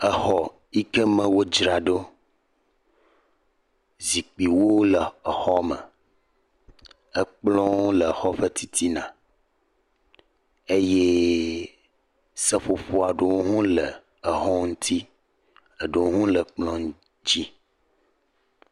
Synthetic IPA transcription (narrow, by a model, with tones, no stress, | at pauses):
ə˨xɔ˨ | i˦kə˦mə̃˦wo˦d͡ʒɾa˨ɖo˦ | zi˨k͡pi˨wo˦lə˨ə˨xɔ˦mə̰˨ | ə˦k͡plɔ̃˦wlə˨xɔ˦ɸə˦t̪ʰi˦t̪ʰi˦nã˨ | e˦je˦ | sə˦ɸo˨ɸo˨a˨ɖo˨wo˦ɦũ˦lə˨ | ə˨ɦɔ̃˦ŋũ˦t̪ʰi˦ | ə˨ɖo˨wo˦ɦũ˦lə˨k͡plɔ̃˦ŋ˦ | d͡ʑi˦